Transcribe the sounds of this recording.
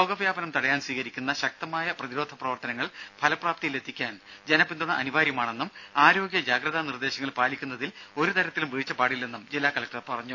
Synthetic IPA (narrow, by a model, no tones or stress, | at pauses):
o̞ːɡɐʋjaːbɐnɐmt̪ɐɽɐjaːnswiːkɐɾikʲːunːɐɕɐk̚t̪ɐmaːjɐprɐðiɾo̞ːd̪ʱɐprɐʋɐrt̪ɐnɐŋːɐɭpʰɐlɐpraːp̚t̪ijile̞t̪ʰːikʲːaːnd͡ʑenɐpːind̪uɳːɐʔɐnuʋaːɾjɐmaːɳe̞nːumaːɾo̞ːɡjɐd͡ʑaːɡrɐðanird̪e̞ːɕɐŋːɐɭpaːlikʲːunːɐðilo̞ɾut̪ɐɾɐt̪ːilumʋiɻit͡ɕːɐpaːɽilːe̞nːumd͡ʑilːaːkɐlɐk̚ʈɐrpɐrɐɲːu